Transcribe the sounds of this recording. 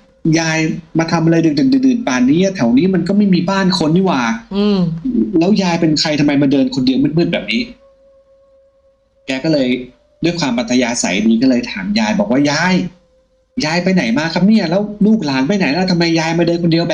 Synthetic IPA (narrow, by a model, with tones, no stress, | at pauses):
jaː˧jmaː˧t̪ʰa˧mʔa˧a˧jdɯ˨˩dɯ˨˩dɯ˨˩dɯː˨˩n̚paː˨˩nnːiː˦˥˨t̪ʰɛ˨˩˦wniː˦˥ma˧nkɔː˥˩ma˥˩jmiː˧baː˥˩nkʰo˧nːiː˧˥˩waː˨˩˧ | lɛː˦˥wjaː˧jpe˧nkʰa˧jt̪ʰa˧mːa˧jmaː˧dɤː˧nkʰo˧ndi˧əwmɯ˥˩n̚mɯ˥˩n̚bɛː˨˩p̚niː˦˥ | kɛː˧kɔː˥˩lɤː˧j | du˥˩əjkʰwaː˧mpa˨˩t̪ʰːa˧jaː˧sa̰˨˩˦jdiː˧kɔː˥˩lɤː˧jt̪ʰaː˩˦mjaː˧jbɔː˨˩k̚waː˥˩jaː˧˥j | jaː˨˧˥jpa˧jna˨˩˦jmaː˧˥˩kʰa˦˥p̚ni˦˥˩ɐlɛː˦˥wluː˥˩k̚laː˨˦npa˧jna˨˩˦jlɛː˥˩t̪ʰa˧mːa˧jːaː˧jmaː˧dɤː˧nkʰo˧ndi˧əwbɛː˨